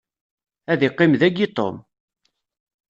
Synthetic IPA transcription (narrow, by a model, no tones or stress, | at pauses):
æðɪqːɪmðæɡit̪ˤo̰m